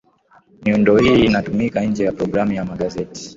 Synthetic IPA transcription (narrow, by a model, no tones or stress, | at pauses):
miundɔhiːnatumikanɲ̩d͡ʒɛjapɾɔɡɾamujamaɠazɛti̥